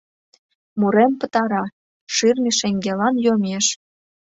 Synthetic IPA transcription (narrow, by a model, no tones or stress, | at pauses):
muɾempə̆t̪ɑɾɑ | ʃirmʲiʃeŋɡelɑnjomʲeʃ